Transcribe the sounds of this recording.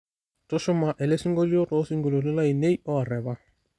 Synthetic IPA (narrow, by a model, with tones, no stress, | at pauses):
tʊ˦ʃʊ˦ma˨ʔɛ˨le˦si˦ŋɡo˦li˦o˦tɔ˦si˦ŋɡo˨lo˨li˦la˦i˨ne˦jɔ˦a˨ɾɛ˨ba˦